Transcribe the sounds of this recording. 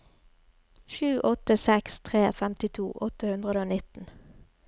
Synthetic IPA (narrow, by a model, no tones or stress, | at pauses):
ʃʉːʔɔt̪əsɛkst̪ʰʁeːfɛmt̪ɪt̪ʰṵːʔɔt̪əhʉnd̪ʁəd̪əoːnɪt̪n̩